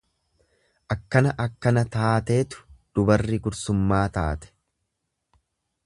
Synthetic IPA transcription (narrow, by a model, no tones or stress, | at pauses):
ʔɐkːɐnɐʔɐkːɐnɐt̪aːt̪e̞ːt̪ʊ̥d̪̥ʊbɐrːɪɡʊɾsʊmːaːt̪a̰ːt̪ɛ̥